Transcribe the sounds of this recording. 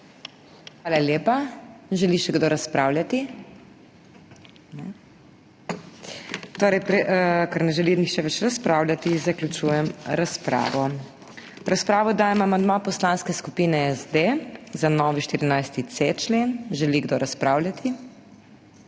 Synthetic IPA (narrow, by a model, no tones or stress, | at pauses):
xʋaːlaljeːpaʒɛliʃɛɡd̪oɾaspɾaːwlʲjat̪i | nɛ | t̪oːɾɛjpɾɛkaɾnɛʒɛlinixʃɛʋɛt͡ʃɾaspɾaːwljat̪izaklʲut͡ʃuːjɛmɾaspɾa̰ːʋɔ | ɾaspɾaːʋɔd̪aːjɛmamand̪mapɔslaːnskɛskupiːnɛɛzd̪ezanɔːʋiʃt̪iɾinajst̪it̪set͡ʃleːnʒɛliɡd̪oɾʔaspɾaːwlʲjʲat̪ʰi